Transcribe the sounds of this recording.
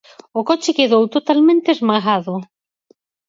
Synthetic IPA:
ʊkot͡ʃɪkeðowt̪ot̪almẽnt̪eezmaɣaðʊ

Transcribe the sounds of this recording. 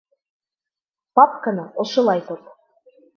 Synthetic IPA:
papkɤ̆nɤŏʃŏlˠɑjt̪ot̪

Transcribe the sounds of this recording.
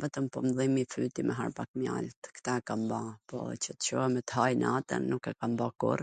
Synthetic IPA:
vɛt̪əmpɔmðimifyt̪imɛɦa̰ɾpakmja̰lt̪kt̪aɛkambapɔ̰t͡ɕət̪t͡ʃɔɛmɛt̪əɦajnat̪ə̰nːukɛkambakṵɾ

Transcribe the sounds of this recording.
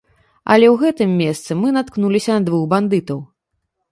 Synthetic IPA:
ɐ̰lʲɛwɣɛt̪ɨmʲːɛst̪sɨmɨnat̪knulʲisʲɐnɐd̪vuxband̪ɨt̪ɐw

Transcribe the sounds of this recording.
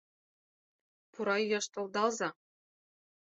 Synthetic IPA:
puɾɑjjɤ̆ʃt̪ɤ̆lˠd̪ɑlˠzɑ

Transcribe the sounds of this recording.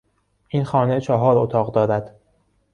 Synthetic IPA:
ʔiːnxɒːne̞t͡ʃʰɒɦɒːɾot̪ʰɒːɣd̪ɒːɾæd̪̥

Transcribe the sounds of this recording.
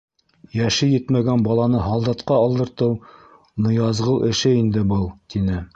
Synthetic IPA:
jæʃɘjɘt̪mæɡænbɑlˠɑnɤɦɑlˠd̪ɑt̪qɑːlˠd̪ɤ̆ɾt̪ɤw | nŏjɑzʁɤwˠʔɘ̆ʃɘind̪ɘbɤlˠt̪inɘ

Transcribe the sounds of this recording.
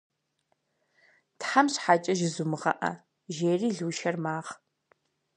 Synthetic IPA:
tħamɕħat͡ʃʼɐʒɪzumɨʁɐ̰ʔɐ̰ | ʒeːriːɮuːʃɐrmaːʁ

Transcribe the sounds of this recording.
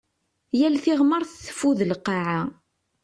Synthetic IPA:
jælθɪʁməɾˤθθə̥fuðəlqːɑʕa

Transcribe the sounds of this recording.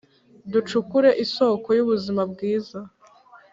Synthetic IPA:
dut͡ʃukuɾe̞ʔiso̞ːko̞juβuzimabɡiːza

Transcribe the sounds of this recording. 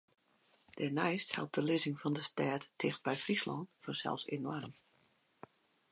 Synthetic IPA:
d̥ɛnɛjsthɛ̰lˠp̚d̥əlɪzɪŋfɑndəstɛːtːɪxt̚bɛjfrislɔntfɔrsɛ̰lˠfsḛnɔrm

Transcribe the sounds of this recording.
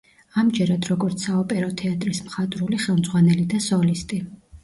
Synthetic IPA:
amd͡ʒɛɾad̪ɾɔɡɔɾt̪sʰaɔpʼɛɾɔt̪ʰɛat̪ʼɾismχat̪ʼɾuliχɛlˠmd̪zʁwanɛlid̪asɔlist̪ʼi

